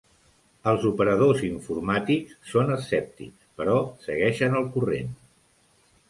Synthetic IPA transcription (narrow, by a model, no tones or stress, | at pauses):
əlˠzupəɾəðoziɱfurmat̪ikssːonəsɛp̚t̪ḭ | pəɾɔsəɣɛʃənəlˠkurḛn